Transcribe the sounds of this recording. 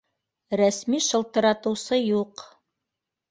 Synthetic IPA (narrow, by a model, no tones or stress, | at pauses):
ɾæsmiʃɤ̆lˠt̪ɤ̆ɾɑt̪ɤ̆wsɤjuq